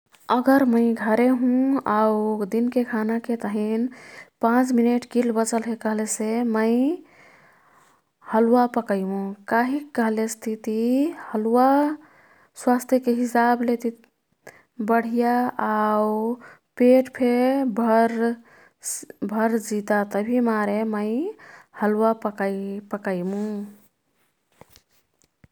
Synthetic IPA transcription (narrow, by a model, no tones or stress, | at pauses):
əɡəɾməɪɡʱəɾeɦũaud̪inkekʰanaket̪əɦinpãt͡ʃmineʈkilbət͡ʃəlɦekəɦleseməɪ | həlwapəkəjũkaɦikːəɦlest̪ʰit̪ihəlwa | swast̪ʰjekeɦisablet̪i | bəɽ̤ijaau | peʈpʰebɾ | bʱəɾd͡ʒit̪at̪əbʱimaɾeməɪhəlwapəkpəkəɪmũ